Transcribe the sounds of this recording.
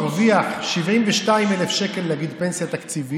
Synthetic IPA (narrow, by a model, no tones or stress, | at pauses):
ʁviaχʃivimveʃtaimelefʃe̞kelːeaɡid̪pe̞nsijat̪akt͡sivi